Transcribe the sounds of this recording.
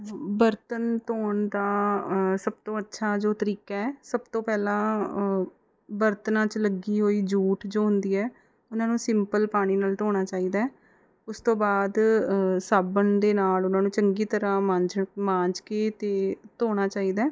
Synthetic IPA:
bəɾt̪ənt̪oːɳd̪aːsəb̚t̪õːətːʃʰaːd͡ʒoːt̪əɾiːkaːɛːsəbt̪õːpɛːlãː | bəɾt̪nãːt͡ʃləɡiːɦoːiːd͡ʒuːʈd͡ʒoːɦʊnd̪iːɛː | ʊnãːnũːsɪmpəlpaːɽ̃iːnaːlt̪oːɽ̃aːt͡ʃaːiːd̪aːɛ | ʊst̪õːbaːd̪saːbənd̪eːnaːlʊnãːnũːt͡ʃəŋɡiːt̪əɾãːmãd͡ʒmãːɲd͡ʒkeːt̪eːt̪oːɽ̃aːt͡ʃaːiːd̪aː

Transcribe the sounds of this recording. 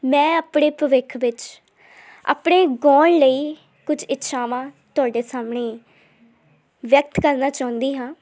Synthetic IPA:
mɛ̃ːəpɳeːpɾəʋɪkʰʋɪt͡ʃ | a̰ːpɳeːɡɔːlləiː | kʊd͡ʒɪtːʃʰaːʋãːt̪ʊaːɖeːsaːmɳeː | ʋjək̚t̪kəɾnaːt͡ʃaːʊ̃nd̪iːɦãː

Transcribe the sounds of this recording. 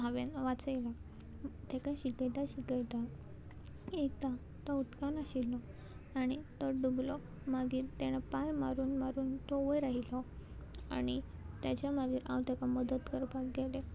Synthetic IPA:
aʋenʋat͡səjla | t̪ekaɕik̪əjt̪aɕikəjt̪a | et̪a | t̪ɔut̪kanaɕilːɔ | aɽ̃it̪ɔɖublɔ | maɡiːɾt̪eɽ̃apajmaɾuːnmaɾuːnt̪ɔʋəjɾaɦilɔ | a̰ɽ̃it̪jat͡ɕjamaɡiːɾã̰wt̪ɛkaməd̪ət̪kəɾpakɡɛle

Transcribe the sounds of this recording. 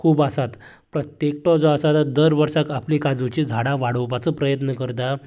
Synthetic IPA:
kʰuːbasat̪ | pɾət̪jek̚ʈɔd͡zɔasat̪ad̪əɾʋəɾʂakaplikad͡zut͡ɕid͡zʱaɽãʋaɽəwpat͡səpɾəjət̪nəkəɾt̪a

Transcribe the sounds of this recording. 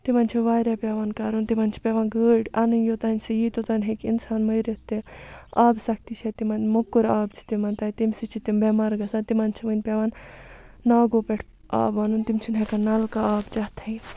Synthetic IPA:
t̪imanʲt͡ʃʰiʋaːjɾapʲeʋankaɾunt̪imaːnt͡ʃʰi̥pʲeʋanɡəːɖanɨnjot̪anʲsijit̪ot̪anʲɦekinsaːnmɐjɾet̪eaːbsɐk̚ʰt̪it͡ʃʰet̪imɐnʲmɐkːuɾaːbt͡ʃʰi̥t̪imant̪aːjt̪imsit͡ʃʰit̪imbemaɾɡɐsant̪imanʲt͡ʃʰimɐnʲpeʋaːnː | aːɡopeʈʰ | a̰ːbaːnunt̪imt͡ʃʰinɦekanɐlkaaːbt͡ʃat̪ʰɐj

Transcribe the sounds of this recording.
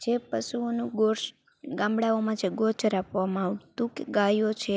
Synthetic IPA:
d͡ʒepəʃuonũɡoɾʃ | ɡãmbɽaomãt͡ʃʰeɡoɾt͡ʃɾapʰʋamãːʋt̪ũkɡajot͡ʃʰe

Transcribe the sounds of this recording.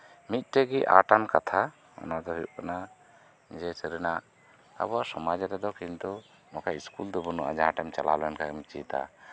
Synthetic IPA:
mit̪̚ˀʈɛɡiʔa̰ʈankat̪ʰa | ɔ̰nad̪ɔɦikana | d͡ʒɛsəɾɛnaʔ | a̰bɔasɔmad͡ʒaɾɛd̪ɔkint̪u | nɔkaiskuld̪ɔbunuʔa̰d͡ʒaɦãʈɛmt͡ʃala̰lɔɛnkaɛmit͡ʃḭt̪a̰

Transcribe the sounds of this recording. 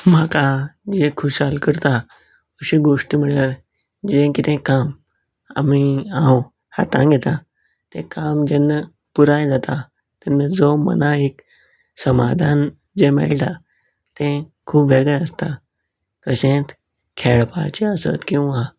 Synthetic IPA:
m̤akad͡ʑẽkʰuɕalkəɾt̪a | əɕĩɡoʂʈimiɭəɾ | d͡ʑẽkit̪ʰẽkam | a̰miãw | ha̰t̪ãɡʱɛt̪a | t̪ẽkamd͡ʑenːə | puɾaj̃d͡zat̪a | t̪enːəd͡zomə̰naek | səmad̪ʱan | d͡ʑemɛ̰ɭʈa | t̪ẽkʰuːbʋeɡə̃əst̪a | kəsẽt̪ | kʰeɭpa̰t͡ɕeəsə̰t̪kĩw̃ʋa

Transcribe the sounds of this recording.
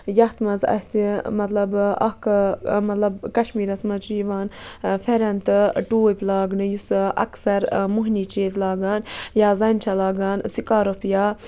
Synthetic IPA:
jɐht̪mɐzɐ̰simɐt̪lɐbɐkmɐt̪lɐbkɐʃmiːɾɐsmɐt͡ʃjiʋaːnfʰeɾɐnt̪ɨʈuːjpʲlaːɡnɨjusʔɐ̰ksɐɾmuɦniːt͡ʃeːt̪laːɡaːnjaːzɐnt͡ʃʰɐlaːɡaːnsikaːɾopjaː

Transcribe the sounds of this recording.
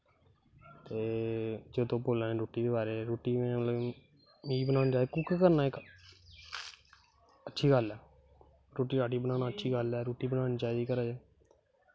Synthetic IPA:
t̪eːd͡ʒoːd̪õːpoːlaːnẽːɾoːʈiːd̪eːbaːɾeːɾoːʈiːmẽːmət̪ləb | iːbənaːnːd͡ʒaːkuːkːkəɾnaːɪk | ətːʃʰiːɡəlɛː | ɾoːʈiːɾaːʈiːbənaːnaːətːʃʰiːɡəlɛːɾoːʈiːbənaːñĩːt͡ʃaːid̪iːkəɾaːd͡ʒaː

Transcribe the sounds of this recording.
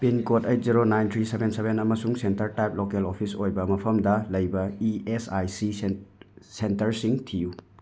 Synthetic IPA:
pinkotejt̚ziɾonajntʰɾisebensebʱenɐmɐsuŋsentɐɾtajplokelopʰisojbɐmɐpʰɐmdɐlɐjbɐiesajsi | sentɐɾsiŋtʰiju

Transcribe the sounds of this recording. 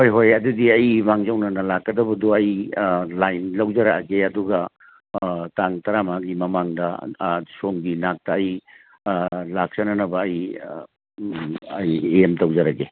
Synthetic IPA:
hojɦojɐdudiɐjmaŋzɐwnɐnɐlakːɐdɐbɐduɐjlajnlɐwd͡ʒɐɾaɡeɐduɡɐ | taŋtɐɾamaɡimɐmaŋdɐsoŋɡinak̚tɐːj | lak̚sɐnɐnɐbɐːj | ɐjeemtɐwd͡ʒɐɾaɡe

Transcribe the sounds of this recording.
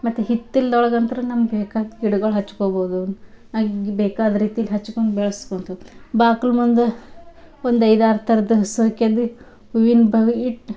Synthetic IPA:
mɐt̪ːuɦit̪ːild̪ɔɭɐɡɐnt̪ɐɾunɐmɐɡbɛːkaːd̪ɡiɽuɡɐɭɦɐt͡ʃːu̥koːbɐːud̪u | naːɡɡbɛːkaːd̪ɐɾiːt̪ijɐlːiɦɐt͡ʃːukoɳɖ̪bɛɭɐskoɳt̪ubaːkɐlmund̪e | ond̪ɐjd̪aːɾt̪ʰɐɾɐd̪ɐsoːkjɐd̪i | ʋuʋinbʱɐʋiiʈ

